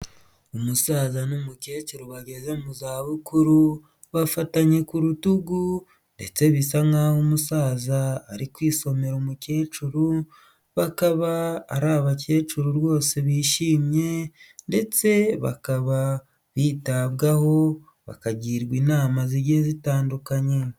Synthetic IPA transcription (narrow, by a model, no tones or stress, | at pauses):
umusaːzanumuce̞ːt͡ʃuɾuβaɟe̞zemuzaːβukuɾu | βafataɲe̞kuɾutuɡu | nde̞̰t͡se̞βisaŋahomusaːzaːɾikwiːso̞me̞ɾumuce̞ːt͡ʃuɾu | βakaβa̰ːɾaːβace̞ːt͡ʃuɾuɾwo̞ːse̞βiːʃiːmɲe̞nde̞t͡se̞βa̰kaβa | βiːtaβɡaho̞ | βa̰kaɟiːɾɡwiːnaːmaziɾɟezitaːndukaɲe̞